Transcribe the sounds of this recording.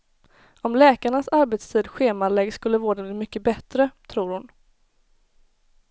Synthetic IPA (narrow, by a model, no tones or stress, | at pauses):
ɔmlɛːkaɳasaɾbet̪st̪ʰiːd̪ɧeːmalɛɡskɵlːəvoːɖɛb̪iːmʏkːəbɛt̪ɾət̪ʰɾuːɾhʊn